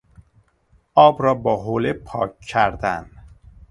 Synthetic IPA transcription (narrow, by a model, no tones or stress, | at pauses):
ʔɒːbɾɒːbɒːɦoːlepʰɒ̰ːkʰːæɾd̪æn